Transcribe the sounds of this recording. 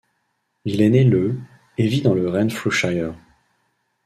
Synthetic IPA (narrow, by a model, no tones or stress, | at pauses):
ilenɛlə | evid̪ɑ̃ləʁɛnfluʃajəʁ